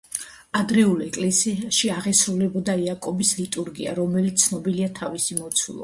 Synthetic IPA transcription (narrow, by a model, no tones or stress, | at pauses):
ad̪ɾɛulˠɛkʼlɛsiaʃiaʁɛsɾulɛbɔd̪aiakʼɔbislit̪ʼuɾɡḭa̰ɾɔmɛlit̪sʰnɔbiliat̪ʰavisimɔt̪sʰwṵlˠɔ̰